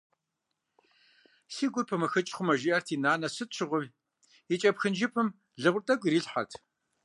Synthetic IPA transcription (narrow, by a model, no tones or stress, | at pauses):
siːɡʷʊrpʰɐmɐxɨt͡ʃʼχʷʊmɐʒiʔɐrtʰiːnaːnɐsɨtʈ͡ʂʰɨʁʷʊm | it͡ʃʼɐpxɨnd͡ʒɪpʰɨm | ɮɨʁʷʊrtʼɐɡʷʼriːɬħa̰rtʰ